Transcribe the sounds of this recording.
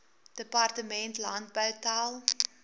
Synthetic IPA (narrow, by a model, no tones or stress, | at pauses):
d̥əpɑrtəmɛntlɐnt̚bəwtɑːlˠ